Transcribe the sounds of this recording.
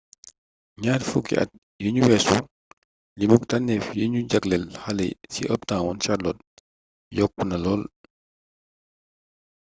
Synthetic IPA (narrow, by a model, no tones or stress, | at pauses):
ɲaːɾfukḭʔɐ̰t̚ | jiɲuwɛsṵ | limuk̚tanːɛfjiɲuɟaklɛlhalɛ̰sḭʔəp̚tãːwɔnt͡ʃalɔt̚ | jɔk̚ːunɐlɔːl